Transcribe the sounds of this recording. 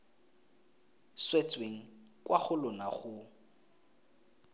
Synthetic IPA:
swet͡sʼweŋ̩ | kʼwʔaχʊlʊnaχʊ

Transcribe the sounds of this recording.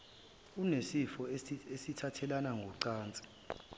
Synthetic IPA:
unesifɔesitʰatʰɛlanaŋɡʱɔǀaːnt͡sʼi̥

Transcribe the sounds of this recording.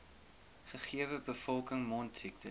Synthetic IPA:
χəχiəvəbəfɔlˠkəŋmɔntsik̚tə

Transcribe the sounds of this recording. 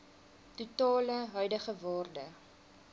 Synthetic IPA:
tutɑːləɦœɥdəχəvɑːrdə

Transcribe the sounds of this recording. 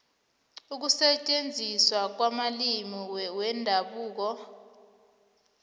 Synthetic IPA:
uk̬usɛt͡ʃʼend͡zʱiswak̬wamalimiwwɛndʱaɓuːk̬ɔ

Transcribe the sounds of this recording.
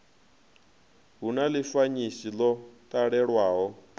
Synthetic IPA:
ɦunalifaɲisilɔtʼaɺɛɺwaːɦɔ

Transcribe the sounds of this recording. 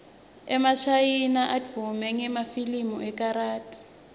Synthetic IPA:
ɛmaʃajinaʔad͡vvumɛŋɛmafilimɔʔɛkaɾaːtʰʼi̥

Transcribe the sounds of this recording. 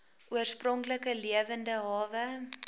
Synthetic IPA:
ʔuərsprɔŋkləkəliəvəndəɦɑːvə

